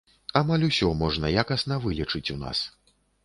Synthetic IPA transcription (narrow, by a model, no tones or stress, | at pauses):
amalʲusʲɔmɔʐnɐjakɐsnɐvɨlʲit͡ʂɨt͡sʲuna̰s